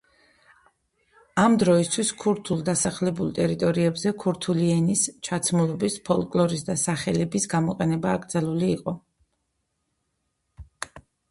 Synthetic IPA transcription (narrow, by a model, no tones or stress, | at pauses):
amd̪ɾɔist̪ʰwiskʰuɾt̪ʰulˠd̪asaχlɛbulˠt̪ʼɛɾit̪ʼɔɾiɛbzɛkʰuɾt̪ʰuliɛnist͡ʃʰat̪sʰmulˠɔbispʰɔlˠkʼlˠɔɾisd̪asaχɛlɛbisɡamɔqʼɛnɛbaːɡɾd̪zalˠuliːqʼɔ